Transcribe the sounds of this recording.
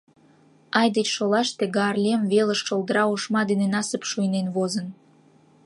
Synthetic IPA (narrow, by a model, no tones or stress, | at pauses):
ɑjd̪et͡ɕʃolɑʃt̪eɡɑːrlʲemβeləʃʃold̪əɾɑuʃmɑd̪enenɑsəpʃujnenβozən